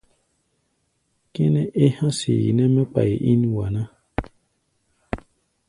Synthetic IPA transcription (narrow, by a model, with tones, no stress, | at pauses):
kɛ˦nɛ̃˦ʔe˦hã˦sḭ˨jḭ˨nɛ̃˦mɛ̃˦k͡pa˨ji˨ʔi˦n˦wa˨nã˦